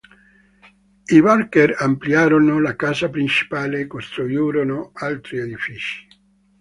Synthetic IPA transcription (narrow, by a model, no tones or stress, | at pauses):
iβarkeɾamplijaːɾonolakaːzapɾint͡ʃi̥paːlekost̪ɾujuːɾonoalt̪ɾied̪ifiːt͡ʃi̥